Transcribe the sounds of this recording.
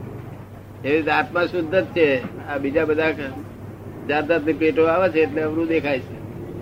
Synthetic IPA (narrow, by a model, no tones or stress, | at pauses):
eɾit̪eat̪masʊd̪ʱːət̪̚t͡ʃʰeabid͡ʒabəd̪ʱak | d͡ʒaɾd̪at̪nipɾeʈoaʋet͡ʃʰeːʈleəʋɾũd̪ekʰajt͡ʃʰe